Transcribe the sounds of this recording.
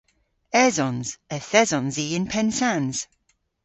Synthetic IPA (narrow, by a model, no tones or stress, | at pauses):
ɛzɔ̃nz̥əθɛzɔ̃nziːɪ̃npʰɛnsanz̥